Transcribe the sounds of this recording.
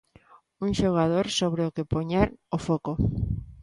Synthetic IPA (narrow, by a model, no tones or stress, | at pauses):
uŋʃoɣ̞aðoɾsoβɾeokepoɲaɾofoko